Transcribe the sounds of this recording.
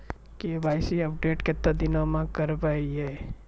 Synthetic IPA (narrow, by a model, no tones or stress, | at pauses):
kebʱajsiəp̚ɖeːʈket̪ːad̪ɪnomãkəɾbaiɦe